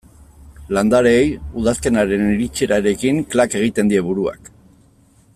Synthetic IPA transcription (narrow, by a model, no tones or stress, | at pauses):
land̪aɾejuðaske̞naɾe̞niɾit͡ʃe̞ɾaɾe̞kiŋklake̞ɣ̞it̪e̞nd̪ie̞βuɾua̰k